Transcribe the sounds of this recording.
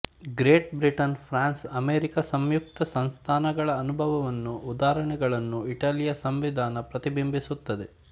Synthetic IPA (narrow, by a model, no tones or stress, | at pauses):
ɡɾeːʈbɾiʈɐnpʰɾaːnsɐmeːɾikɐsɐmjuk̚t̪ɐsɐnst̪ʰaːnɐɡɐɭɐːnubʱɐʋɐʋɐnːuːd̪aːɾɐɳɛɡɐɭɐnːuiʈaːlijɐsɐmʋid̪ʱaːnɐpɾɐt̪ibimbʱisut̪ːɐd̪e̞